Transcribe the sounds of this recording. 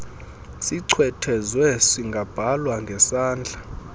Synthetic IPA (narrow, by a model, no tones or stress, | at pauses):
siǀʰwɛtʰɛzwɛsiŋɡʱab̥ʱalwaŋɡʱɛsaːnd͡ɮʱa